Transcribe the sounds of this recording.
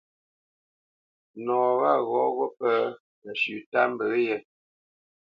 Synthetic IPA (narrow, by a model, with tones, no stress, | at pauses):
nɔː˨ɣa˦˨ɣɔ˨˦ɣɔ˦pə˦ | nə˨ʃʉ˨ta˦m˦bə˨˦jɛ˦